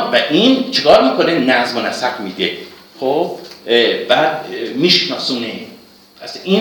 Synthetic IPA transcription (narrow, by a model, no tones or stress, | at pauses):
væʔint͡ʃʰekʰɒːɾmiːkʰonenæzmonæsæfmiːd̪e | xo | væmiːʃnɒːsuːne | æsiː